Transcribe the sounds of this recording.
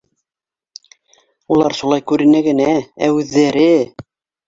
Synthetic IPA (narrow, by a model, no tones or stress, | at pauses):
ulˠɑɾʃulˠɑjkʉɾɘ̆næɡɘ̆nææ̰ʉðːæɾɘ